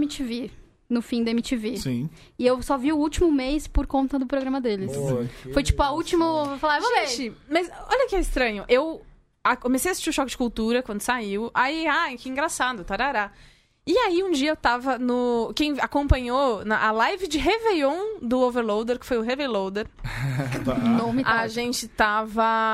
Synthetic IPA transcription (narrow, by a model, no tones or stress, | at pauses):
mit͡ʃive | nʊfĩd̪ɐemit͡ʃivesĩ | ɪewsɔviʊut͡ʃimʊmejspʊɾkõnt̪ɐd̪ʊpɾoɡɾɐ̃mɐd̪elɪsojfojt͡ʃi̥pʊɐut͡ʃimʊvowfalaɾvoet͡ʃimɐjzɔ̰ʎɐkɪɛɪst̪ɾɐ̃ɲʊʔew | akomesejasi̥st͡ʃiɾʊʃɔkɪd͡ʒɪ̥kuwt̪uɾɐkwɐ̃nd̪ʊ̥saiwaiajkɪĩɡɾasad̪ʊt̪aɾaɾa | ɪaiũd͡ʒiɐewt̪avɐnʊkẽj̃akõpɐ̃ɲonɐʔːlajvɪd͡ʒɪɦevejõw̃d̪ʊoveɾlowd̪eɾkɪ̥fojʊɦevejlowd̪eɾ | nõmɪaʒẽnt͡ʃɪt̪avɐ